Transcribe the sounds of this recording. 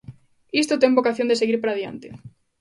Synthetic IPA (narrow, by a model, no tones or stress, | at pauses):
ist̪ot̪eŋbokaθjond̪eseɣiɾpaɾaðja̰nt̪e